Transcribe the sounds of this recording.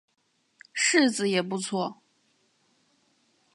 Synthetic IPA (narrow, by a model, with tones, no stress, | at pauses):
ʂɻ̩˥˩d͡zɹ̩˨˧˦jɛ˨˩pu˥˧t͡sʰwɔ˥˩